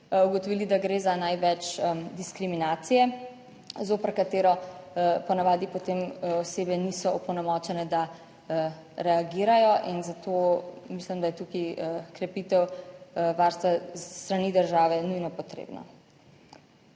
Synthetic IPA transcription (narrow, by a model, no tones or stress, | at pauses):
uɡɔt̪ɔʋiːlid̪aɡɾeːzanajʋɛt͡ʃd̪iskɾiminaːt̪sijɛ | zoːpəɾkat̪eːɾɔpɔnaʋaːd̪ipɔt̪emɔseːbɛnisɔɔpɔnɛmɔt͡ʃɛnɛd̪a | ə | ɾɛaɡiːɾajɔʔinzat̪omislimd̪ajɛt̪ukiəkɾɛpit̪ɛwʋaɾst̪ʋat̪ɾaniːd̪əɾʒaːʋɛnujnɔpɔt̪ɾḛːbnɔ̰